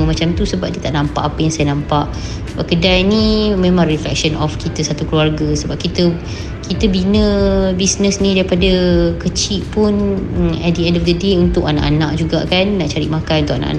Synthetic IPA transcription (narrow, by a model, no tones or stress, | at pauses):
mat͡ʃamt̪usəbap̚diət̪aʔnãmpa̰ʔapəjaŋsajanãmpaʔ | ssəbap̚kədalnĩmẽmãŋriflɛ̰k̚sənɔfkit̪əsat̪ukluarɡəsəbap̚kit̪ə | kit̪əbinə̃bisnəsnĩdaipadəkət͡ʃiʔpunɛt̪̚diɛndɔfd̪ədeunt̪ʊkana̰ʔa̰nãʔd͡ʒuɡa̰ʔkanːaʔt͡ʃaɾḭʔmakanunt̪ʊkana̰ʔa̰nʔ